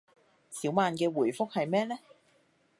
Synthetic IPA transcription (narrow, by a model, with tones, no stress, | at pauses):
siː˨˥wmaː˨nkɛː˧wuː˨˩jfʊ˥k̚hɐ˨jmɛː˥lɛ˥